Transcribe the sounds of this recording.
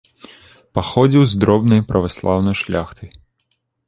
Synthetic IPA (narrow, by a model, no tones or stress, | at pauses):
paxɔd͡zʲiwzd̪ɾɔbnɐjpɾʔɐvaslˠawnɐjʂlʲaxt̪ɐj